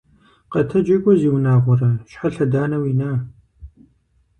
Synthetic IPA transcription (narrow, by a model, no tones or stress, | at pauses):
qɐtʰɐd͡ʒɐɡʷʼɔziːwnaːʁʷɔrɐʃħaɬɐdaːnɐwinaː